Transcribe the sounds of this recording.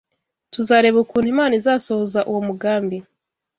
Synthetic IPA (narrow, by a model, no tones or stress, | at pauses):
tuzaːɾe̞ːβukuːnthimaːnizaːso̞hozaʔuwomuɡaːmbi